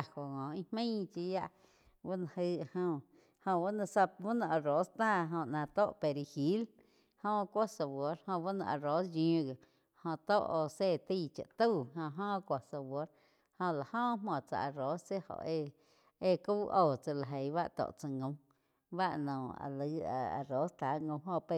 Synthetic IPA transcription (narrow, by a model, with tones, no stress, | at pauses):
a˧ho˨ŋɔ̃˨ĩ˧hmĩ˦t͡ʃi˧˦ja˦ʔ | ba˦nã˧˨hɨ˦˧hõ˧ | hõ˧ba˦nã˧˨sa˧bu˦nã˧ʔa˧ɾo˨˦st̪aː˦˨ɦõ˧˨ʔnã˨˧t̪o˦ʔpe˨ɾi˧hi˨˦l | hõ˦˧kʷo˦sa˨wo˨˦ɾhõ˧ba˦nã̰˧˨ʔa˨ɾo˨˦sjĩ˧˦ɡe˨ | hõ˧t̪o˦ʔo˧se˦˨t̪i˦˧˨t͡ʃa̰˨t̪u˦˨ɦõ˧ʔɦõː˦˧kʷa˨sa˧wo˨˦ɾ | hõ˧˨la˨hõː˦˧˦mõ˨t͡sa̰˧˨a˧ɾo˨˦sse˦ʔho̰˨ʔe˧ | e˧ku˦ʔoː˦˧˨t͡sa˧la˨ɦe˨jβa˦ʔt̪o̰˨ʔt͡sa˧ŋõ˨˧˦m | ba˦ʔnõ˨a̰˨lɨ˨˦a˧a̰˨ɾo˨˦st̪a˨˦ŋõ˧ɦõ˧pe˧